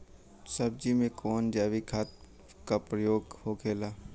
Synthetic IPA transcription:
sɐb̚d͡ʒimẽkɔːnd͡ʒaːʋikʰaːt̪̚ | kapɾəjoːɡhokʰeːlaː

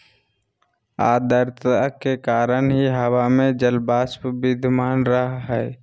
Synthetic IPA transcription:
a̰ːd̪əɾt̪akekaːɾənɦiɦəwamẽd͡ʒəlbaːspbɪd̪ʱmaːnɾəɦɦɛː

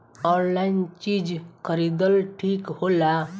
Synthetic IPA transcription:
ɔɾlaint͡ʃid͡ʒkəɾid̪əlʈʰikhola

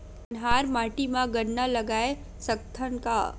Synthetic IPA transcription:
nɦaːɾmaːʈimãɡənːalɐɡaːe | sɐk̚t̪ʰənka̰

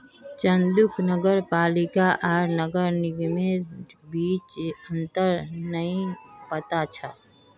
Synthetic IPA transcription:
t͡ʃənd̪uknəɡəɾpaːlikaʔaɾnəɡəɾniɡmebiːt͡ʃənt̪əɾnəĩpət̪at͡ʃʰə

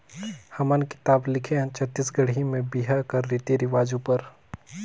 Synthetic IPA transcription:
hɐmənkɪ̥t̪aːblɪkʰẽt͡ʃʰət̪ːisɡɐɽ̤imẽbiɦakɐɾːɪt̪iɾɪʋaːd͡ʒũpəɾ

